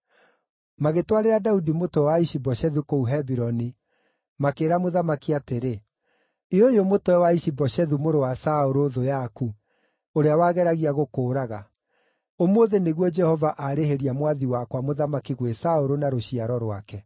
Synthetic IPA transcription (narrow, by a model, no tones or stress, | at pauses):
maɣetwaɾeɾadaudimotowɛwaiʃibɔʃɛðukouɦɛbiɾɔni | makeːɾamoðamakiateɾe | iojomotwɛwaiʃibɔɕɛðumoɾowasaoɾoðojaku | oɾeawaːɣɛɾaɣiaɣokoːɾaɣa | omoðeneɣwɔd͡ʒɛhɔvaʔaɾeheɾiamwaðiwakwamoðamakiɣwesaoɾonaɾoɕiaɾɔɾwakɛ